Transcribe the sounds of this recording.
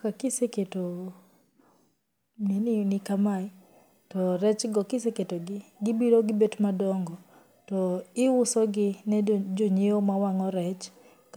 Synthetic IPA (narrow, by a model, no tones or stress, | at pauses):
kakɪseketo | neninikamai | tɔɾɛt͡ʃɡɔkiseketoɡɪɡɪbiɾoɡɪbetmadɔŋɡɔ | tɔɪwʊsɔɡɪnɛd͡ʒoɲeomawaŋɔɾɛt͡ʃ | k